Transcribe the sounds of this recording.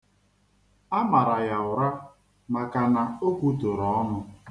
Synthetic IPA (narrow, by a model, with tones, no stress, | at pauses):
a˦ma˨ɾa˨ja˨ʊ˨ɾa˦ | ma˨ka˨na˨o˦kʷu˦to˨ɾɔ˨˦ɔ˦nʊ˦